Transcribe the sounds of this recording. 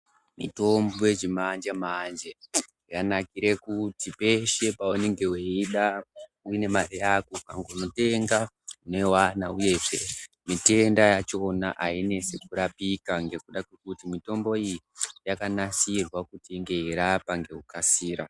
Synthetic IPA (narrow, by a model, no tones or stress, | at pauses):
mḭto̞mboje̞d͡ʒimand͡ʒemand͡ʒe | janakiɾe̞kutipe̞ʃe̞paoneŋɡe̞weiɗauine̞marijakokaŋɡouno̞te̞ŋɡa | une̞wanauje̞ʐe̞ | mite̞ndajat͡ʃo̞na̰ʔaine̞se̞kuɾapikaŋɡe̞kuɗakwe̞kutimito̞mbo̞iji | jakanasirwakutiːŋɡe̞iɾapaŋɡe̞ukasiːɾa̰